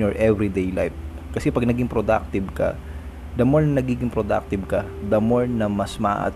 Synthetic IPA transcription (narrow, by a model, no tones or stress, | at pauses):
ɔɹʔɛvɾid̪ejla̰jf̚ | kɐsɛpɐɡ̚nɐɡɪŋpɾod̪a̰k̚t̪ɪbkɐ̰ | d̪ɐmoɹnɐnɐɡiːɡɪŋpɾod̪a̰k̚t̪ɪb̚kɐd̪ɐmoɹnɐmɐsmɐʔa̰ʔɐ̰